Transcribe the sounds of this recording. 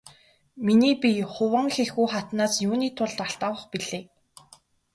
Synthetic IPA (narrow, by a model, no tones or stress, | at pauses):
miniːpʲiχʊwə̆ŋxeɮɣujχat̪naːsjuːniːt̪ʰʊɮt̪aɬt̪aːwə̆χpiɮeː